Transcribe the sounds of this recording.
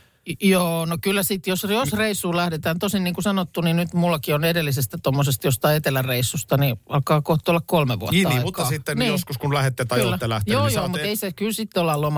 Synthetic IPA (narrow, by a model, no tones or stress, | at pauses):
joːnokylːæsit̪josjosreisːuːlæhdet̪æːnt̪osinniːŋkusɑnot̪ːuninyt̪mulːɑkionedelːisest̪æt̪omːosest̪jost̪ɑiet̪elːærreisːust̪ɑniɑlkɑːkoht̪ːˑolːɑkkolmeʋṵɑ̰iːɑiːmut̪ːɑsit̪ːenniːjoskuskunlæhet̪ːet̪ɑkyːæːelæht̪joːjsoːmut̪eisekylsit̪ːolːɑlom